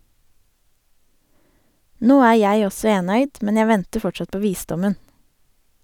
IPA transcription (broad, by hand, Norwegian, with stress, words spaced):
ˈnoː ˈæː ˈjæɪ ˈɔsɔ ˈeːnœʏd ˈmɛn ˈjæ ˈʋɛntə ˈfɔt͡ʃɑt ˈpoː ˈʋiːˌsdɔmən